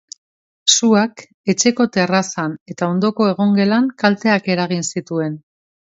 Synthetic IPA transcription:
suak | e̞t͡ʃe̞ko̞t̪e̞rasane̞t̪ao̞nd̪o̞ko̞e̞ɣo̞ŋɡe̞laŋkalt̪e̞ake̞ɾaɣ̞insit̪ue̞n

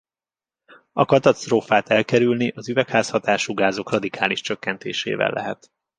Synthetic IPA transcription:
ɒkɒt̪ɒst̪roːfaːt̪ɛlkɛɾylniʔɒzyvɛkhaːshɒt̪aːʃuɡaːzo̞krɒd̪ikʰaːliʃt͡ʃøkːɛnt̪ḛːʃḛːvɛ̰lːɛ̰ɦɛ̰t̪

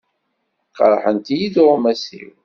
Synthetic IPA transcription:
qɑɾˤħənt̪ijiðɾmæsḭw

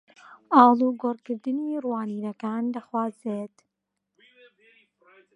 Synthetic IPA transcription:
ʔɑːlˠuːɡorkɨɾd̪ɨnirwaːniːnɐkaːndaxwaːzet̪

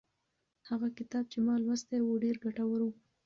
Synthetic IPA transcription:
haɣakɪt̪ɑb̚t͡ʃemɑlwəst̪ewoɖeɾɡaʈawaɾu

